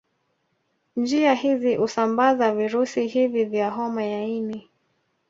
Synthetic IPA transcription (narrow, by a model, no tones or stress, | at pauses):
nd͡ʒiahiziʔusambazaviɾusihivivjaɦɔmajaini